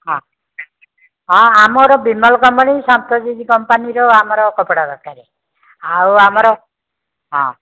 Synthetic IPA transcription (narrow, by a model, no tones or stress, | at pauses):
ɦɔ̃ | ɦɔ̃amɔɾɔbimɔlkɔmpanisampɾɔd͡ʒid̪ikɔmpaniɾɔamɔɾɔkɔpɽabɔt̚kaɾe | awamɔɾɔ | ɦɔ̰̃